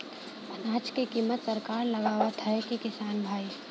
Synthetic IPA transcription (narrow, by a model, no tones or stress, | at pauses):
naːt͡ʃkekimːət̪səɾkaːɾləɡaːwat̪ʰəẽkikɪsaːnbʱaːi